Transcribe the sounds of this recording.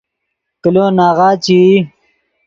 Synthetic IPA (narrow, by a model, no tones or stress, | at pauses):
kiloːnaːʁaːt͡ɕii